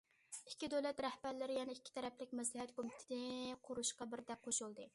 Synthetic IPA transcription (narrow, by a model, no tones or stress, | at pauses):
i̥kʲːid̪olɛt̪ɾɛhbæɾlɪɾɪjɛnɛikʲʰːi̥t̪ʰɛɾɛplɪk̚ʲmɛs̬lɪhɛt̪kʰomɪt̪ʰɪ̥d̪ɪqʰʊɾuʃqɑbɪɾd̪ɛk̚ʲqʰoʃulˠd̪ɨ